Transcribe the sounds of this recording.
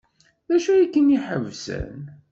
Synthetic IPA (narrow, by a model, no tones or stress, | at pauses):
ðæʃujikːəniħə̰vsə̰n